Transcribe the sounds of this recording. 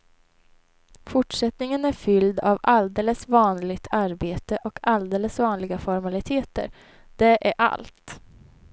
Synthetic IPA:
fʊʈʂɛt̪nɪŋənæɾfʏld̪a̰vald̪eːləsvɑːnlɪɡt̪ʰaɾbeːt̪əʔɔkʰald̪eːləsvɑːnlɪɡafɔɾmalɪt̪ʰeːt̪ə̰ɾ | d̪̥ɛʔæɾʔa̰lt̪

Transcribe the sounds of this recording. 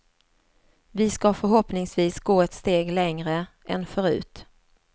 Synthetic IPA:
vɪskɑfœɾɦɔpnɪŋsviːsɡoːɛt̪st̪eːɡlɛŋɾəʔɛnfœɾʉ̟̰ːt̪

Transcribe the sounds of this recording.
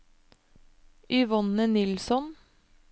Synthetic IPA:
ʏʋɔnənɪlsɔn

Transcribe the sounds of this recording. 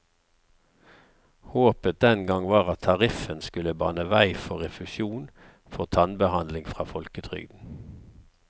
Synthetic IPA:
hoːpət̚d̪ɛnɡɑŋʋɑːʁɑt̪ʰːɑʁɪfənskʉləbɑ̰nəʋæɪfɔʁɛfʉsjuːn | fɔʁt̪ʰɑnbəhɑnd̪lɪŋfʁɑːfɔlkət̪ʰʁʏ̰ɡd̪n̩

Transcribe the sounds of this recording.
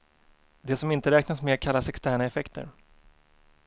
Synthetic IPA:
d̪ɛsɔmɪnt̪əɾɛːknasmeakʰalːasɛkst̪æːɳaɛfɛkt̪ʰə̰ɾ

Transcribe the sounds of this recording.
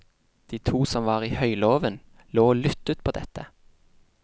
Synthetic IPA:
d̪̥iːt̪ʰuːsɔmʋɑːʁiːhœʏloːʋən | loːoːlʏt̪ʉːt̪̚pʰoːd̪ɛt̪ə

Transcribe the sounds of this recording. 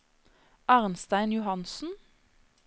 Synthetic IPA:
ɑːʁnst̪æɪnjʊhɑnsn̩

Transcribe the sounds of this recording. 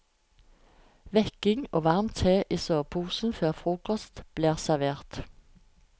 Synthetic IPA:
ʋɛkɪŋoːʋɑʁmt̪ʰeːʔiːsøːpʰuːsn̩føːʁfʁuːkɔst̪b̥liːʁsæʋeːʁt̪

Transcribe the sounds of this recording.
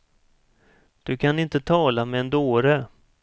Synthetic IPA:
d̪̥ɵkʰanɪnt̪ət̪ʰɑːlamɛɛnd̪oːɾə

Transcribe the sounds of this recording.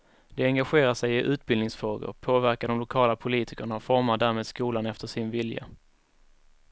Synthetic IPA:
d̪ɛɛŋɡaɧeːɾaʂɛjɪʔʉ̟ːt̪̚bɪlnɪŋsfɾoːɡʊ̰ɾpʰoːvæɾkaɖɔmlʊkʰɑːlapʰʊliːt̪ʰɪkəɳaɔfɔɾmaɖæːɾmeːd̪skuːlanɛft̪əʂɪnvɪlja̰

